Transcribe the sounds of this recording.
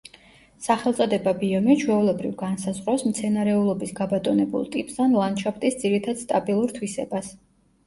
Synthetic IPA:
saχɛlˠt̪sʼɔd̪ɛbabiɔmit͡ʃʰwɛulɛbɾḭvɡansazʁɾɔsmt̪sʰɛnaɾɛulˠɔbisɡabat̪ʼɔnɛbṵlˠt̪ʼipʼsanlˠand̪ʃɔpʰt̪ʼisd̪ziɾit̪ʰad̪̥st̪ʼabilˠuɾt̪ʰwisɛ̰bas

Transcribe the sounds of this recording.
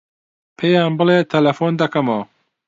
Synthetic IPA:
pʰejaːnbɨleːt̪ʰɐlɐfoːnd̪ɐkɐmoː

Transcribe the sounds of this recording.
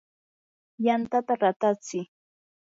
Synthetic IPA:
jant̪at̪aɾat̪at͡sɪ

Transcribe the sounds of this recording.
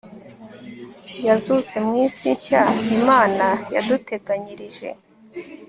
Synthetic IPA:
jazut͡se̞mŋiːsiɲçaimaːnaja̰dute̞ɡaɲiɾiʒe̞̰

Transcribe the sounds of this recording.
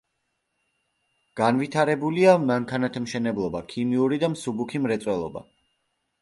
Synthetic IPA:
ɡ̥anvit̪ʰaɾɛbuliamaŋkʰanat̪ʰamʃɛnɛblˠɔbakʰimiuɾid̪amsubukʰimɾɛt̪sʼwɛlˠɔ̰ba̰

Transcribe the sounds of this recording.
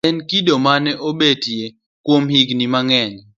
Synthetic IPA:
ɛnkidomanɛʔobetje | kwomhiɡnimaŋɛɲ

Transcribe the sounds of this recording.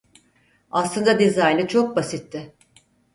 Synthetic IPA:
aslˠɯnd̪ad̪ezajlʲit͡ʃʰo̞k̚basit̪ːɪ

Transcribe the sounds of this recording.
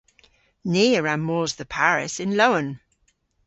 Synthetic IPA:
niːəɹamːɔːzðəpʰaɹɪ̰sɪ̃nloʊə̃n

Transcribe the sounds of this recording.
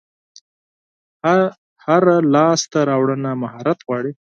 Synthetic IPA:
haɾalɑst̪aɾɑwɽənamahɑɾat̪ɣwɑɽi

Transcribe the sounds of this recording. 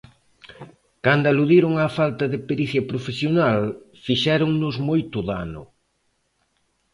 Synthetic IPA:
kand̪ʊaluðiɾʊŋafalt̪ɐðɪpeɾiθjɐpɾofesjonal | fiʃɛɾʊŋnʊzmojt̪ʊðanʊ̰

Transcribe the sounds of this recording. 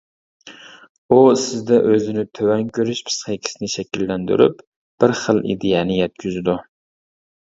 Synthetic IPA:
usɪzd̪ɛʔøzɪnɪt̪ʰøwɛŋkʰʲøɾɪʃpʰɨ̥sχekʲʰi̥sɪnɪʃɛkʲilːænd̪y̰ɾy̰p | b̥ɪɾχəlˠʔḭd̪ejɛnɪjɛt̪̚kʲʰyzɪd̪u

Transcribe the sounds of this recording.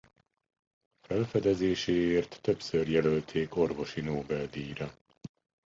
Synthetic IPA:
fɛlfɛd̪ɛzeːʃeːeːrt̪ːø̞psørjɛlølt̪ʰeːko̞rvo̞ʃinoːbɛld̪iːɾɒ

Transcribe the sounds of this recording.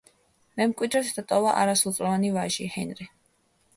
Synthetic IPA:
mɛmkʼwid̪ɾɛt̪d̪at̪ʼɔvaʔa̰ɾasulˠt̪sʼɾɔvanivaʒihɛnɾi

